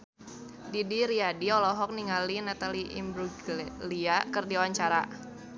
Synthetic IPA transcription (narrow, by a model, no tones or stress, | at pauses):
didiɾiadiɔlɔɦɔk̚niŋalinat̪aliʔḭmbɾuɡliakərdiuwaɲt͡ʃaɾa̰